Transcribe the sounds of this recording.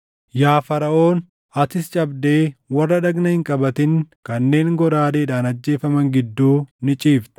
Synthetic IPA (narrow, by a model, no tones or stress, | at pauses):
jaːfɐɾɐo̞ːn | ɐt̪ɪst͡ʃʼɐbd̪e̞ːwɐrːɐᶑɐɡnɐhɪŋkʼɐbɐt̪ɪŋkɐnːe̞ːŋɡɔɾaːd̪eːᶑaːnɐd͡ʒːe̞ːfɐmɐŋɡɪd̪ːuːnɪt͡ʃʼiːft̪ɛ̥